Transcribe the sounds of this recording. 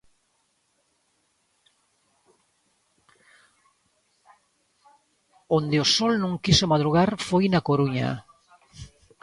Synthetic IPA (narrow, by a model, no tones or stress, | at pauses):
ond̪eosɔlnõŋkisomaðɾuɣaɾfojnakoɾuɲa̰